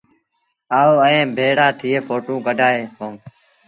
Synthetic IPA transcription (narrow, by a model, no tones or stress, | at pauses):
aːoːəẽːbʱeːɽaːt̪ʰɪːeːfʰoːʈũːkəɖʱaːeːkõːm